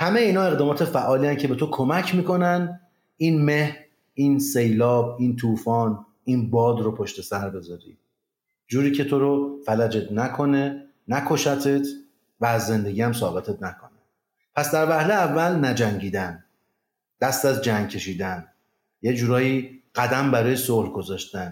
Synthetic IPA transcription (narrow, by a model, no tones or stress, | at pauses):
hæme̞jeiːnɒːe̞ɣd̪ɒːmɒːt̪ʰefæʔɒːliæncʰe̞be̞t̪ʰokʰo̞mæcʰmiːkʰo̞nænd̪ | iːnme̞hɾ | iːnse̞jlɒːb̚iːnt̪ʰuːfɒːn | iːnbɒːd̪ropʰoʃt̪e̞sæɾbe̞zɒːɾḭː | d͡ʒuːɾiːcʰe̞t̪ʰo̞ɾofælæd͡ʒe̞t̪ʰnækʰo̞ne̞ | nækʰo̞ʃæt̪ʰet̪ʰ | væːzːe̞nd̪e̞ɡiːæmsɒːbe̞t̪ʰe̞t̪ʰnækʰo̞ne | pʰæsd̪æɾvæhleːvːælnæd͡ʒæŋɟiːd̪æn | d̪̥æst̪æzd͡ʒæŋɡ̚cʰe̞ʃiːd̪æn | jed͡ʒuːɾɒːjiːɢ̥æd̪æmbæɾɒːjesolɡo̞zɒːʃt̪æn